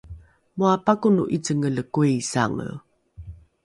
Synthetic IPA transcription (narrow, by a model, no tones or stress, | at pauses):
muapakunuʔit͡səŋələkuisa̰ŋə̰